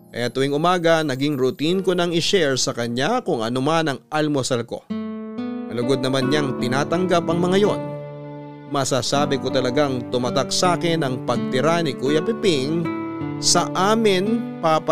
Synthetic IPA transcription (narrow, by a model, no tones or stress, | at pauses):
kɐ̰jat̪ʊwiŋʔʊmaːɡɐnɐɡiŋɾʊt̪inkonɐŋɪʃɛɹsɐkɐɲakʊŋʔɐnomanɐŋɐlmosɐlko̞̰ | nɐlʊɡod̪nɐmanɲaŋt̪ɪnaːt̪ɐŋɡapɐŋmɐŋajo̞n | mɐsaːsaːbɪkot̪ɐlɐɡaŋt̪ʊmɐt̪ak̚saːkɪnɐŋpɐɡ̚t̪ɪɾanɪkujɐpɪpɪŋ | sɐʔaːmɪnpap